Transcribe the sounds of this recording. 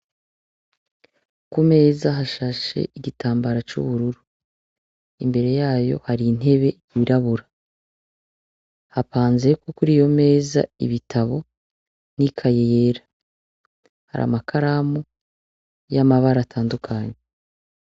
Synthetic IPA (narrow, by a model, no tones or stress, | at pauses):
kume̞ːzaɦaʃaʃe̞̰iɟitaːmbaɾat͡ʃṵβuɾuɾu | imbe̞ɾe̞jaːjo̞̰haɾin̥e̞βe̞ | iβiɾaβuɾa | hapaːnzekokuɾiːjo̞me̞ːza̰iβitʰaβo̞ | nikʰajejeːɾḁ | ha̰ɾa̰makʰaɾamu | jamaβaɾatʰaːndukʰaɲe